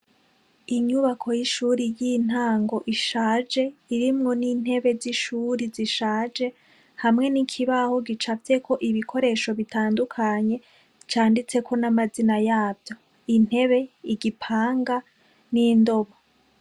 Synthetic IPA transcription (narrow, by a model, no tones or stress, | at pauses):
iɲuβakʰo̞jiʃuɾijin̥haːŋɡo̞ʔiʃaːd͡ʒe̞iɾimŋo̞niːn̥he̞βe̞ziʃuːɾiziʃaːd͡ʒe̞ | hamŋe̞nikʰiβaho̞ɡit͡ʃafe̞kʰo̞ʔiβikʰo̞ɾe̞ʃo̞βitaːndukʰaɲe̞ | t͡ʃaːndit͡se̞kʰo̞namazinajaːbjo̞ | in̥he̞βe̞iɡipʰaːŋɡa | niːndo̞βo